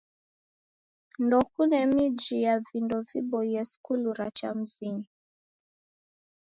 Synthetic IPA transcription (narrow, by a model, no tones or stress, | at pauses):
ndɔkunɛmid͡ʒijavindɔvibɔjɛskuluɾat͡ʃa̰m̩ziɲi